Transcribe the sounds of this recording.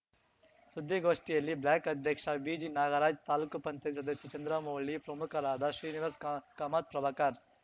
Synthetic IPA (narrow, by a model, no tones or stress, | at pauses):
sud̪ʱːiɡoːʂʈijɐlːiblaːkɐd̪ʱjɐkʂɐbiːd͡ʒinaːɡɐɾaːd͡ʒt̪aːlukɐpɐɲt͡ʃɐjt̪isɐd̪ɐsjɐt͡ʃɐnd̪ɾɐmoːɭipɾɐmukʰɐɾaːd̪ɐʃɾiːniʋɐskɐmaːt̪̚pɾɐʋakaːɾ